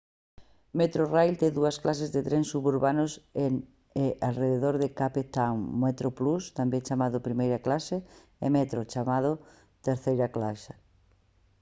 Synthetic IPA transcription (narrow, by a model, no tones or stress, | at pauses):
met̪ɾorajlt̪eðuɐsklasezðet̪ɾensuβuɾβanʊsen | eʔalreðeðoɾðekapet̪aŋmet̪ɾoplust̪ambeŋt͡ʃamaðʊpɾimejɾɐklase | emɛt̪ɾot͡ʃamað̞ʊ | t̪eɾθejɾɐklaʃa